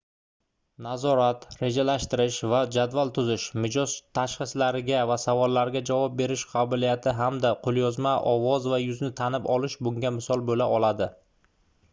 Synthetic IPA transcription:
nazɒɾat̪ɾe̞d͡ʒalaʃt̪ɪɾɪʃvad͡ʒad̪valˠt̪ʰʊzɪʃmɪd͡ʒɒzt̪ʰaʃχɨslaɾɪɡʲavasavɒlːaɾɪɡʲad͡ʒavɒp̚be̞ɾɪʃqʰɑbɪlijat̪ʰɪɦamd̪aqʰolˠjɒzmaʔɒvɒzvajʊznɪt̪ʰanɪpɒlɪʃbʊŋɡʲamɪsɒlˠbolaʔɒlad̪ɪ

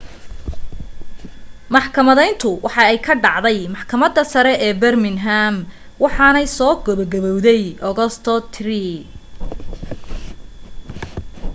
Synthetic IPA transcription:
mɑħkʰɐmɐðɛjnt̪ʰʊwʔɑħɑɛjkʰɐɖɑʕðɛjmɑħkʰɐmɐd̪ːɐsɐɾɛʔɛːbɛrmɪnɦam | wɑħɑnɛjsɔːɡɔβɐɡɐβɔwðɛjʔɔɣɔst̪ʰɔt̪ʰri

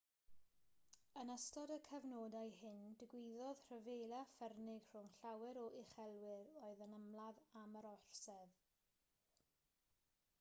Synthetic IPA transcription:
ənəstɔdəkʰəvnoːdajhɪndəɡwɪːðɔð̥r̥əvejlˠafɛrnɪɡr̥ʊŋɬawɛɾɔʔɪχɛlˠwɪɾoːɨðənəmlˠaðaməɾɔr̥sɛð

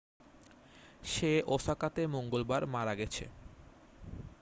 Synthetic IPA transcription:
ʃeʔoʃakat̪emoŋɡolbaɾmaɾaɡɛt͡ɕʰḛ

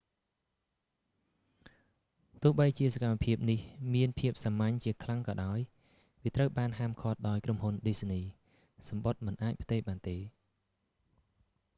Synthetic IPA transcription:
t̪ʊ̆əhɓəjt͡ɕiəsakamːapʰiəp̚nihmiənpʰiəp̚samaɲt͡ɕiəkʰlaŋkɑːɗaɔj | ʋiət̪rəwɓaːnɦaːmkʰot̪̚ɗaɔjkromhunɗiːsniː | sɑmɓot̪̚mɨnʔaːc̚pʰt̪eːhɓaːnt̪eː

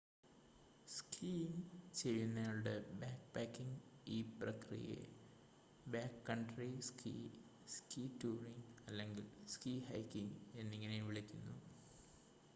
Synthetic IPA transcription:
skʰiːnt͡ɕe̞jːunːajlɽebaːkpaːkːiŋiːprɐkrḭjḛ | baːkːɐɳɖriskʰḭː | skiːtuːriŋɐlːe̞ŋɡilskiːhɐjkːiŋe̞nːiŋːɐne̞ʋiɭikʲːunːu

